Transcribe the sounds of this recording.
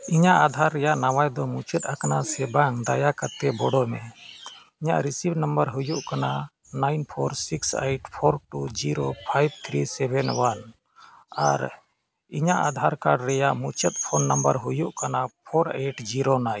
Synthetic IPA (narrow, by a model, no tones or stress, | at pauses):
iɲaʔad̪ʱaɾːɛjaʔnawajd̪ɔmut͡ʃɛt̪̚ˀakanasɛbaŋd̪ajakat̪ɛbɔɽɔmɛ | iɲa̰ʔɾisibnəmbəɾɦujuʔkana | najnpʰɔɾsiksejʈpʰɔɾʈud͡ʒiɾopʰajb̚t̪ʰɾisɛbʱɛnwan | aɾ | iɲaʔad̪ʱaɾkaɖɾɛjaʔmut͡ʃɛt̪̚pʰɔnːambəɾɦujuʔkanapʰɔɾejʈd͡ʒiɾonaj